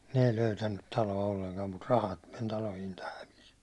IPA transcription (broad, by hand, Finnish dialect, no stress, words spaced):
ne ei løytænːyt tɑloɑ olːeŋkɑm mut rɑhɑt men tɑlo hintɑ hæʋis